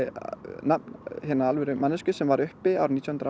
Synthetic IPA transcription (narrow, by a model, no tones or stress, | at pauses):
nanhɛnːaalvɛɾʏmanːʏscʏsɛmvaɾʏhpɪawɾnit̪jɔhʏnt̪ɾa